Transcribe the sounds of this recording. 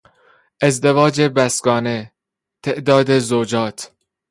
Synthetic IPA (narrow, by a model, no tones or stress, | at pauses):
ʔe̞zd̪e̞vɒːd͡ʒe̞bæsɡɒːne̞ | t̪ʰe̞ʔd̪ɒːd̪e̞zod͡ʒɒːt̪ʰ